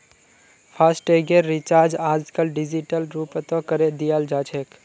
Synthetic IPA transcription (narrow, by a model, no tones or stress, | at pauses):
pʰasʈeɡeɾːit͡ʃaːɾd͡ʒaːd͡ʒkəlɖɪd͡ʒiʈəlɾupt̪õkəɾed̪ijald͡ʒaːt͡ʃʰek